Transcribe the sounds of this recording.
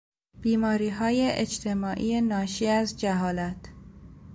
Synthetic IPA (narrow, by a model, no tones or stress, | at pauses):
b̥iːmɒːɾiːɦɒːjeʔed͡ʒt̪ʰe̞mɒːʔḭːenɒːʃiːæzd͡ʒæɦɒːlæt̪ʰ